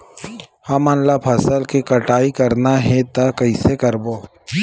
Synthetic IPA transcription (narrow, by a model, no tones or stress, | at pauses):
hɐmanlapʰɐsəlkikəʈaːikɐɾnaɦɛ̃t̪akɐɪsekəɾboː